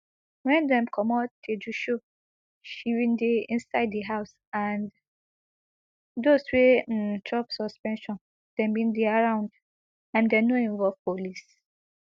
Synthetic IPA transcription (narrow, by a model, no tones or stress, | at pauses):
wɛ̃ndɛ̃mkʰɔmɔtʰːed͡ʒuʃo | ʃiwĩndeĩnsaɪddiɦaʊs | ãn | doswẽtʰɹɔpsɔspɛ̃nʃɔ̃n | d̥ɛ̃mbĩndeaɹãʊ̃nd | ãndɛnoĩnvɔlv̥polis